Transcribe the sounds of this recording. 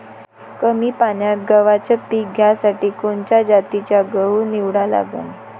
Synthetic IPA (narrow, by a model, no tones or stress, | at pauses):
kəmiːpanjat̪̚ɡəʋat͡ɕəpiːɡʱjasaʈiːkoɳt͡ɕjad͡ʑat̪it͡ɕjaɡəwniʋɽala̰ɡə̰n